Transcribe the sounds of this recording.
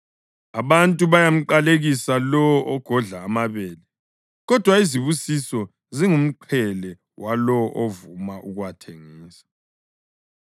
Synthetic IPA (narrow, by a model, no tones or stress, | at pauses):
aβantʼuβajam̩ǃaleɣisalɔɔʔɔɡ̥ʱɔɮaːmaβɛːlɛ | ɣɔd̥ʱwaiziβusisɔ | ziŋum̩ǃʰɛlɛ | wʔalɔʔovumaʔuɣuwatʰeŋiːsḁ